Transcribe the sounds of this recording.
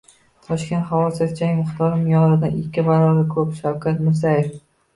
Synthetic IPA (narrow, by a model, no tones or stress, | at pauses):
t̪ʰɒʃkʲe̞nt̪hawɒsɪfd͡ʒʰaŋʲmʊχt̪ʰɒɾɪmjɒɾɪd̪anɪkʲːɪbaɾɒɾakʰɵpʃawkʲʰat̪mʊɾs̬ajef